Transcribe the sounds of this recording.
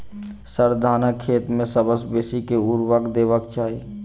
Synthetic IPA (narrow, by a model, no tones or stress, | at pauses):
səɾd̪ʱaːnəkʰːeːt̪mẽsəbəsbeːsikeuɾwəkd̪eːʋəkt͡ʃaːɦi